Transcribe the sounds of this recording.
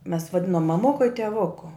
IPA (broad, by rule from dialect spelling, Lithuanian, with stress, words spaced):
mʲɛs ʋɐˈdʲɪnoːm mɐˈmʊkʊ ɪ tʲɛˈʋʊkʊ